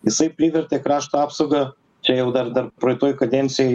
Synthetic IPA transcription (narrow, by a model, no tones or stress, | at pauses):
ɪsɐjpɾʲiʋʲɛɾt̪ʲɛkɾaʃt̪ɐapsoɡɐ | t͡ʃʲɛjɛʊd̪ɐɾd̪ɐɾpɾojt̪oːjkɐd̪ʲɛnt̪sʲɪj